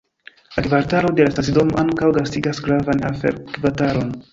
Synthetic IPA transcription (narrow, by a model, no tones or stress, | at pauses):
lakvaɾtaɾo̞de̞lastas̬ido̞moʔaŋkawɡastiɡasɡɾavana̰fḛɾkvataɾo̞n